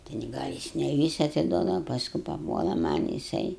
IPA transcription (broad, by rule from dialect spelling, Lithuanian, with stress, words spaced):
tʲɛn ˈɡɐlʲ jɪs nʲɛ ˈʋʲiːsɐ ɐtʲɪˈduɔdɐʋɐ pɐsˈkʊ pɐˈpuɔlˠɐ ˈmɐnʲ jɪˈsɐɪ